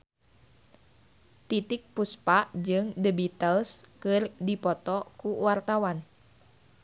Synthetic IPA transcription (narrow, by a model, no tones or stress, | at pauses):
t̪it̪ɪk̚puspaʔd͡ʒɨŋdəbit̪əlskɨrdipɔt̪ɔkuwart̪awan